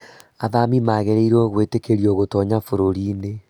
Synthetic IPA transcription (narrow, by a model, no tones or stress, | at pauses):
aðamimaɣeɾeiɾɔɣwetekeɾioɣotɔɲafoɾoɾiːne